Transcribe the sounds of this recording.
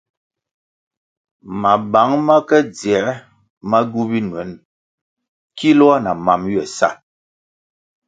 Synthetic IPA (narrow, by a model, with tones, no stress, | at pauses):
ma˨ba˨˦ŋma˦kɛ˦d͡zjɛ˨˦ | ma˦ɡu˦bi˦nwɛ˨˦n | ki˦lɔ˦a˦na˨ma˨mɥɛ˨sa̰˦˨